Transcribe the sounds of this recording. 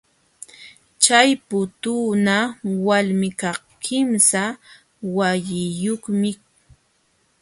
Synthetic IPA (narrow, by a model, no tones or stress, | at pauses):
t͡ʃajpʊt̪unawalmɪkɑχ | kʰɪmsa | wajɪjoχmɪ